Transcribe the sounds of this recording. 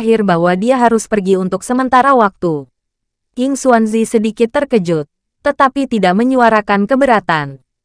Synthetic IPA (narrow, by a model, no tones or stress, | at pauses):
ɦɪrbahwadiaɦaɾʊspərɡiunt̪ʊksəmənt̪aɾawak̚t̪u | jʊŋsuanzisədikɪt̪ːərkəd͡ʒʊt̪̚ː | ət̪apit̪idaʔməɲuaɾakankəbəɾat̪an